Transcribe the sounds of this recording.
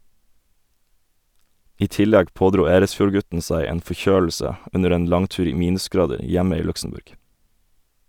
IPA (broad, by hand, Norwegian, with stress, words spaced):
ˈiː ˈtɪˌlɛɡ ˈpoːˌdɾuː ˈeːɾəsˌfjuːɾˌɡʉtn̩ ˈsæɪ ˈeːn fɔˈçøːl̩sə ˈʉnəɾ ˈeːn ˈlɑŋˌtʉːɾ ˈiː ˈmiːnʉsˌɡɾɑːdəɾ ˈjɛmə ˈiː ˈlʉksm̩ˌbʉɾɡ